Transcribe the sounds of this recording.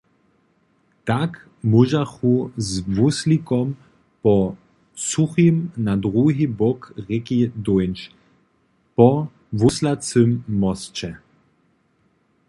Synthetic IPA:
t̪ak | muʒaxuzʋuslikɔm | pɔ | suximnad̪ʁuɦibɔkʁɛkid̪ɔjnt͡ʃ | pɔ | ʋuslat͡sømːɔst͡ʃɛ

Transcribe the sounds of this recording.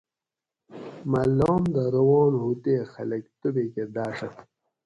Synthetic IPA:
malːɑːmd̪əɾɐwɑːnɦut̪eːxɐ̰lɐkt̪ubeked̪aːʂɐ

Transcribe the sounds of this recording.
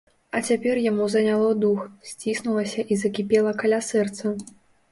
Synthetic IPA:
ɐt͡sʲapʲɛrjamuzɐnʲalˠɔd̪uxsʲt͡sʲisnulˠɐsʲɐʔizɐkʲipʲɛlˠɐkalʲasɛrt̪sɐ

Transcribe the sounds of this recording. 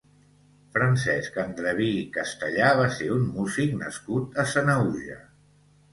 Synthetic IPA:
fɾənsɛskənd̪ɾəβikəst̪əʎaβ̞aseunmuziknə̰skut̪əsənəuʒə̰

